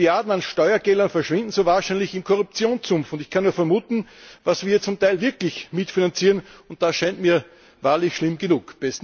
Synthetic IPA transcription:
aɐdn̩anʃtɔʏɐɡɛlɐnfɛɐʃv̥ɪ̃ndn̩soːvaːɐʃɛɪnlɪçɪmkʰɔʁʊp̚t͡sjoːnt͡sʊmfʊntɪçkʰanːuːɐfɛɐmuːtn̩vasv̥iːɐt͡sʊmtʰaɪlvɪɐklɪçmɪtfinant͡siːʁənʊnt̚d̥asʃaɪntmiːɐ | vaːɐlɪçʃlɪmɡənuːkb̥ɛs

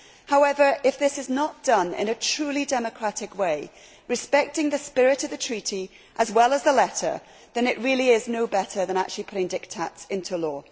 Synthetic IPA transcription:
haʊɛvə˞ʔɪfðɪsɪznət̚d̥ʌ̃nɪ̰̃ñɨtʰɹ̥ʉːlidɛməkʰɹ̥atɪkweɪ | ɹɨspɛk̚tɪ̃ŋðɨspɪɹɪtəvðətʰɹ̥iti | ʔəzwɛlˠəzðəlɛtə̰˞ | ðɨ̃nɪʔɹɪːlˠiɪznoʊbɛɾə˞ðə̃ña̰k̚t͡ʃʉl̩ˠipʰʊɾɪ̃ŋdɪk̚tʰatsɪ̃ntʰulɔː

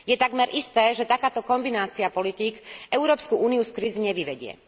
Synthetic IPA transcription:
jɛt̪aɡmɛɾʔist̪ɛːʒɛt̪akaːt̪ɔkɔmbinaːt͡siapɔlit̪ikɛʊɾɔːpskuʔuːniuskɾiziɲɛʋiʋɛɟɪɛ̰

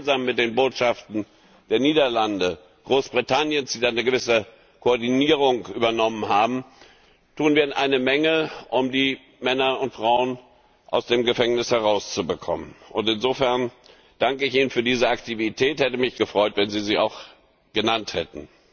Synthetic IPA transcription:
nzaːmːɪt̚d̥eːnboːtʃaftn̩ | d̥eːɐniːdɐlandə | ɡ̥ʁoːsb̥ʁitʰanjənsd̥iːdannəɡəvɪsə | kʰoɔɐdiniːʁʊŋʔyːbɐnɔmənɦaːbm̩ | tʰuːənviːnʔaɪnəmɛŋəʔʊmdiː | mɛnɐʊntfʁ̥aʊən | ʔa̰ʊsd̥eːmɡəfɛŋnɪshɛʁaʊst͡subəkʰɔ̰mənʔʊntɪnzoːfɛɐn | d̥aŋkəɪçʔiːnənfyːɐdiːzəaktʰivitʰɛːthɛtəmɪçɡ̥əfʁ̥ɔʏtv̥ɛnziːziːa̰ʊx | ɡ̥ənanthɛtn̩

